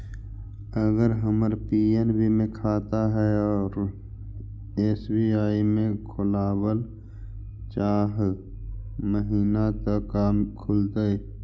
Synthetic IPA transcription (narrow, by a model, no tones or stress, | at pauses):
əɡəɾɦəməɾpiːenbimẽkʰaːt̪aɦɛɔːɾ | eːsbiːaːimẽkʰʊlaːwəl | t͡ʃaːɦ | məɦiːnat̪əaːmkʰʊlt̪ae